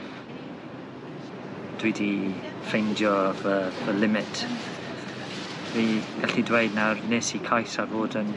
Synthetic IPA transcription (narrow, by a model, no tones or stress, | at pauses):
d̥wiːdifejndjɔvəvəlɪmɪtʰ | viːɡ̥aɬidwejd̚narneːsikʰajsarvoːdən